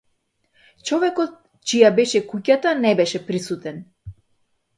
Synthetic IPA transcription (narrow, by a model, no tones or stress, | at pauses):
t͡ʃɔvɛkɔt̪̚ | t͡ʃijabɛʃɛkucat̪anɛbɛʃɛpɾisut̪ɛn